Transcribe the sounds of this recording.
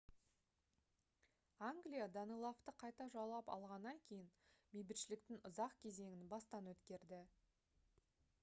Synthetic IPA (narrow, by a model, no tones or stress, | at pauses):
aŋɡlijad̪ɑnijlˠoft̪əqʰɑjt̪ɑʒɑlˠɑpɑ̰lˠʁɑnːɑŋkʲʰe̞jɪnmejbɪt̪ʃɪlɪk̚t̪ɪŋʊzɑqkʲʰe̞ze̞ŋʲɪnbɑst̪ɑnwɵt̪kʲe̞ɾd̪ɪ